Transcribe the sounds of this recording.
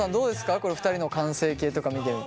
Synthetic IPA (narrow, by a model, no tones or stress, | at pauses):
sãnd̪o̞ːd̪e̞sɨ̥kako̞ɾe̞ɸɯ̟t̪aɾʲino̞kãse̞ːkʲe̞ːt̪o̞kamʲit̪eɾɯ̟n